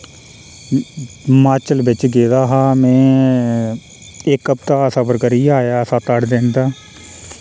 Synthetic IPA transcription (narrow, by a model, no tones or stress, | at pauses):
maːt͡ʃəlbɪt͡ʃɡeːd̪aːɦãːmɛ̃ː | ɪkːəp̚t̪aːəsãbəɾkəɾiːaːjaːəsãːt̪əɽd̪eːnd̪aː